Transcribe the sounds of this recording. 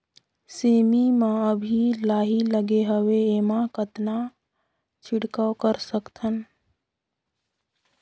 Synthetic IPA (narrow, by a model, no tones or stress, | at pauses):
seːmimãəbʱilaːɦiləɡeɦəweemãkət̪na | t͡ʃʰɪɽkəwkəɾsəkt̪ʰən